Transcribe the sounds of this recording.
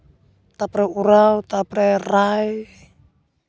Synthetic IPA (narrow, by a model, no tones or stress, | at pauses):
t̪apɾɛuɾaut̪aprɛraj